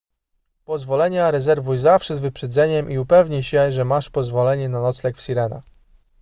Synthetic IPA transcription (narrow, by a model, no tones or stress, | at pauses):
pɔzvɔlɛɲaɾɛzɛɾvujzafʂɛzvɘpʂɛd̪zɛɲɛmʔiupɛvɲiɕɛʐɛmaʂpɔzvɔlɛɲɛnanɔt̪slɛkfsʲiɾɛna̰